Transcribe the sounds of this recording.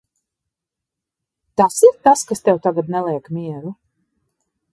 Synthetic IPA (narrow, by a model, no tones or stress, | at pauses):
t̪asiɾt̪askast̪ɛwt̪aɡad̪nɛlˠiɛkmʲiɛɾu